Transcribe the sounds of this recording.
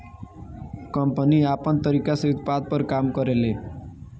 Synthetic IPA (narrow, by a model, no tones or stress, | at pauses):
kəmpəniapənt̪əɾikaseut̪̚pad̪̚pəɾkamkəɾele